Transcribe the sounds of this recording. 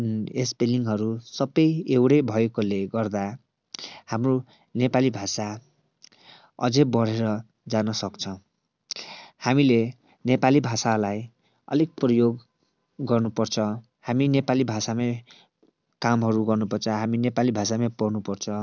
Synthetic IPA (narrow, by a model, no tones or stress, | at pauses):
espeliŋɦʌɾusʌbʌjewɽejbʱʌekoleɡʌrd̪a | hamro | nepalibʱasa | ʌ̰d͡zʌbʌɽeɾʌ | d͡zanʌsʌkt͡sʰʌ̃ | hamile | nepalibʱasalaj | ʌ̰lek̚prʌjoɡː | ʌrnupʌrt͡sʰʌ | haminepalibʱasame | kamɦʌɾuɡʌrnupʌrt͡sʰʌɦaminepalibʱasamepʌrnupʌrt͡sʰʌ